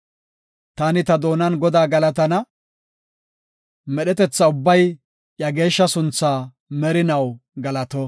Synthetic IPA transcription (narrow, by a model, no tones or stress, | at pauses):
t̪aːnɪt̪ɐd̪o̞ːnɐnɡɔd̪aːɡɐlɐt̪̬ɐnɐ | mɛɗɛt̪ɛt͡sːɐʊbːɐj | ʔjɐɡe̞ːʃːɐsʊnt͡sːaː | mɛɾɪnɐwɡɐlɐt̪ɔ